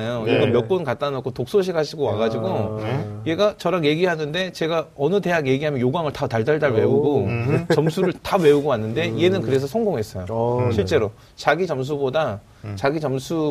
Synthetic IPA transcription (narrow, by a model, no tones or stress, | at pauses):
joiɡʌnmjʌk̚p͈onkat͈anok͈ʰotok̚s͈oɕ̬ʰiɡaɕʰiɡowaɡad͡ʑiɡoje̞ɡat͡ɕʌɾaɡje̞ɡiɦanɯnde̞t͡ɕe̞ɡaʌnɯde̞ɦaɡje̞ɡiɦamjʌnjoɡwaŋɯɭtataɭdaɭdaɭwe̞uɡot͡ɕʌmsʰuɾɯɭtawe̞uɡoanːɯnde̞ie̞nɯnkɯɾe̞s̬ʰʌsʰʌŋɡoŋɦe̞s͈ʌjoɕʰiɭt͡ɕ͈e̞ɾo | t͡ɕaɡit͡ɕʌms̬ʰuboda | t͡ɕaɡit͡ɕʌmsʰu